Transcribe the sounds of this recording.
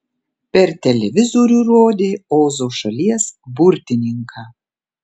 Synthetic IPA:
pʲɛɾt̪ʲɛlʲɛʋʲɪzoɾʲuːɾoːd̪ʲeːoːzoːʃɐlʲiɛsbʊɾʲt̪ʲɪnʲɪŋkʰɑː

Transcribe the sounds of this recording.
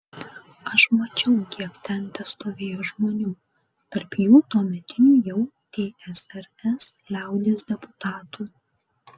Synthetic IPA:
ɐʃmɐt͡ʃʲɛʊkʲiɛkt̪ʲɛnt̪ʲɛst̪oːʋʲeːjoːʒmoːnʲuː | t̪ɐɾpjuːt̪uɔmʲɛt̪ʲɪnʲuːjɛʊt̪ʲeːʔɛsɛɾ | ɛslʲæˑʊd̪ʲeːsd̪ʲɛpʊt̪ɑːt̪uː

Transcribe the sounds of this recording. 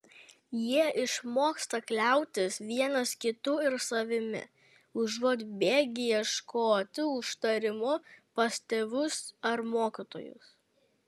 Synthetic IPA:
jiɛʔɪʃmoːkst̪ɐklʲɛˑʊt̪ʲɪsʋʲiɛnɐskʲɪt̪ʊɪɾsɐʋʲɪmʲɪ̰ | ʊʒuːd̪ʲbʲeːɡʲɪjɛʃkoːt̪ʲɪʊʃt̪ɐɾʲɪmʊpɐsʲt̪ʲɛʋʊsɐɾmoːkʲɪt̪o̰ːjʊ̰s

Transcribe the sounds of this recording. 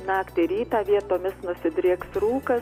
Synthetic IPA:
nɑːkt̪ʲɪɾʲiːt̪ɑːʋʲiɛt̪oːmʲɪsnʊsʲɪd̪ʲɾʲiːksruːkɐ

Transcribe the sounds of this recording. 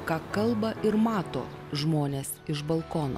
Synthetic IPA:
kɑːkɐlˠbɐʔɪɾmɑːt̪o̰ːʒmoːnʲeːsɪʒbɐlˠkoːno̰ː

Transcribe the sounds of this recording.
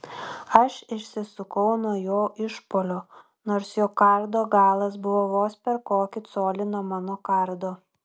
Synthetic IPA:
ɐʃɪʃʲsʲɪsʊkɐʊnuɔjoːʔɪʃpoːlʲoː | noːɾsjoːkɐɾd̪oːɡɑːlˠɐs̬bʊʋoːʋoːspʲɛɾkoːkʲɪt̪soːlʲɪnoːmɑːnoːkɐɾd̪oː

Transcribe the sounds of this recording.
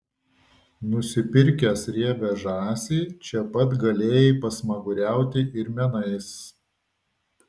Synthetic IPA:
nʊsʲɪpʲɪɾʲkʲɛsɾʲiɛʋʲɛʒɑːsʲiːt͡ʃʲɛpɐt̪ɡɐlʲeːjɛpɐsmɐɡʊɾʲæˑʊt̪ʲɪʔɪɾmʲɛnɐɪs

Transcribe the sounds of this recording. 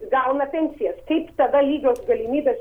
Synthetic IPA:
ɡalˠnɐpʲɛnʲt̪sijɐst̪ʰeɪpt̪ɐd̪ɐlʲiːɡosɡɐlʲimiːd̪ɐs

